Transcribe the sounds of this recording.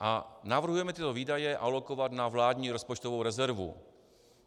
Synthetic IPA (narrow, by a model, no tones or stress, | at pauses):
ʔanavr̩ɦujɛmɛt̪ɪt̪oviːdajɛʔalo̞kovat̪navlaːd̪ɲiːɾo̞spot͡ʃt̪ovowɾɛzɛɾvṵ